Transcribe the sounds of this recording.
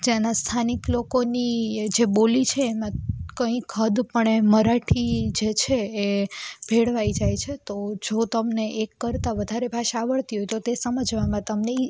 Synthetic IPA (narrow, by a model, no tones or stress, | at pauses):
d͡ʒanast̪ʰaniklokonid͡ʒebolit͡ʃʰeːmãkə̃ĩkʰəd̪pəɳeməɾaʈʰid͡ʒet͡ʃʰeːbʱeɽʋaid͡ʒajt͡ʃʰet̪od͡ʒot̪əmneʔekːəɾt̪aʋəd̪ʱaɾebʱaʃaːʋəɭt̪iɦojt̪ot̪esəməd͡ʒʋamãt̪əmnei